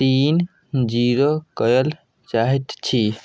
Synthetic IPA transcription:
t̪iːn | d͡ʒiːɾokəjəl | t͡ʃaɦit̪t͡ʃʰi

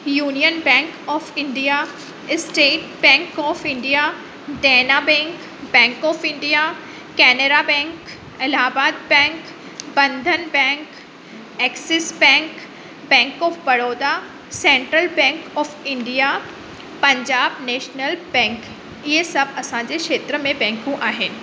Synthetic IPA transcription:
juːnijənbɛ̃ːŋkɔːfɪ̃ɳɖija | ɪsʈeːʈbɛ̃ːŋkɔːfɪ̃ɳɖija | d̪ɛːnabɛ̃ːŋk | bɛ̃ːŋkɔːfɪ̃ɳɖija | kɛːneɖabɛ̃ːŋk | ɪlaːbaːd̪̚bɛ̃ːŋk | bɐ̃nd̪ʱənbɛ̃ːŋk | ɛːksɪsbɛ̃ːŋk | bɛ̃ːŋkɔːfbɐɽoːd̪a | sɛ̃ːɳʈɾəlbɛ̃ːŋkɔːfɪ̃ɳɖija | pɐ̃ɲd͡ʑaːbneːʃnəlbɛ̃ːŋk | iesɐbɐsãd͡ʑekʃeːt̪ɾəmẽbɛ̃ːŋkũʔaːɦɪnɪ̆

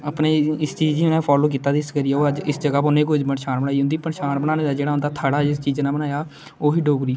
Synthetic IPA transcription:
əpneːɪst͡ʃiːd͡ʒd͡ʒinãːpʰaːloːk̬iːt̪aːd̪iɪskəɾiːaːoːəd͡ʒɪsd͡ʒəɡaːponẽːkod͡ʒbənʃaːnbəɽaːiːɦʊ̃nd̪iːpənʃaːnbənaːneːd̪aːd͡ʒeːɽaːɦʊnd̪aːt̪ʰaːɽaːd͡ʒɪst͡ʃiːd͡ʒnaːbənaːjaː | oːɦiːɖoːɡɾiː

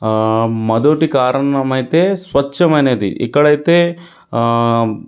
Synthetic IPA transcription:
mɐd̪oːʈikaːɾɐɳɐmɐjt̪esʋɐtːʃɐmɐjned̪ḭʔḭkːɐɽɐjt̪e

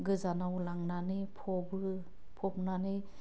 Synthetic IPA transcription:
ɡɯzanawlaŋnanipʰɔbɯ | pʰɔp̚nani

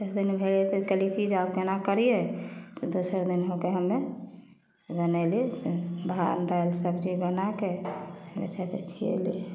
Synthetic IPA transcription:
ekʰd̪inbʱelet̪ekəlikid͡ʒakenakəɾijeted̪usəɾd̪inɦokeɦəmːe | bənɛliba̰nd̪ajlsəbd͡ʒibənakemḛt͡ʃʰat̪ekʰiḛli

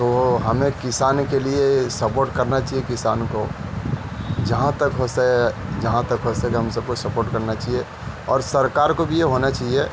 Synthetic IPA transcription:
t̪ooɦɐmẽkɪsaːnkeliesəpoːɾʈkəɾnat͡ʃaɦijekɪsa̰ːnko | d͡ʒɐɦãt̪əkɦosed͡ʒɐɦãt̪əkɦosekeɦɐ̃msəb̚kosɐpoːɾʈkɐɾnat͡ʃaɦie | ɔːɾsəɾkaːɾkobʱijeɦonat͡ʃaːɦie

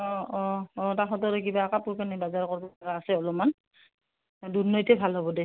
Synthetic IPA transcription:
ɔɔɔtaɦɔtɔɾɔkibaːkapuɹkanibazaɹkɔɹbɔaɡaːsɛɔlɔman | dunːɔjtɛbʱalɦɔbɔdɛ

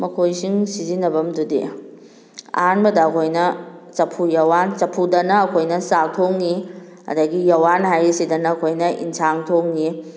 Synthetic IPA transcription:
mɐkʰojsiŋsizinːɐbɐmdudḛ | a̰nbɐdɐːkʰojnɐt͡ʃɐpʰujɐwant͡ʃɐpʰudɐnɐːkʰojnɐsatʰoŋni | ɐ̰dɐɡijɐwanɦajisidɐnɐːkʰojnɐḭnsʰaŋtʰoŋni

